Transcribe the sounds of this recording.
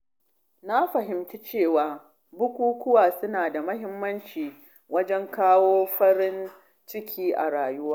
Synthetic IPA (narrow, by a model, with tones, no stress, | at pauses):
na˦ɸɐ˨ɦɪ˨mt͡ʃi˦t͡ʃeː˦˨waː˨ | bʊ˦kʷuː˦kʷʊ˦waː˨sʊ˦naː˨da˨mɐ˦ɦɪ˦mːɐ˦nt͡ʃiː˨ | wɐ˦d͡ʒɛ˦ŋkaː˦woː˦ɸɐ˦ɽɪ˦n | t͡ʃɪ˦kʲʰiː˦ʔa̰˨ɽaː˨jʊ˦waː˦